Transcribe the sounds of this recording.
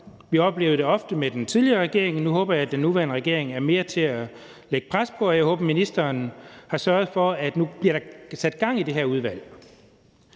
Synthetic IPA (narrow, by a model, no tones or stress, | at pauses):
ʋiɒ̽b̥le̝ːʊð̩ˠde̝ɒ̽fd̥əmed̥ent͡sʰiðˠliɐʁɛɡ̥e̝ɐeŋnuɦɔ̽ːb̥ɐjɑːd̥enːuʋæɐnəʁɛɡ̥e̝ɐ̰e̝ŋæɐme̝ːɐt͡sʰe̝æ | leɡ̥əpʰʁaspʰɒ̽ɒjɑ̈ɪho̽ːb̥ɐminisd̥ɐːnhɑ̈sɶɐð̩ˠfɒ̽æd̥nub̥liɐɾ̥ɑ̈sæd̥̚ɡ̥ɑ̈ŋ̰ide̝ɦeɐuð̞ˠʋæl̰